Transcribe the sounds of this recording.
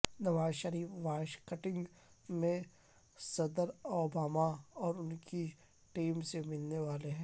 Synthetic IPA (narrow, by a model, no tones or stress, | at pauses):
nɐʋaːzʃəɾiːfʋaːɪʃkɐʈɪ̃ŋɡ | mẽ | sɐd̪əɾoːbaːmaɔːɾʊnki | ʈiːmsemɪlneʋaːleɦɛ̃ː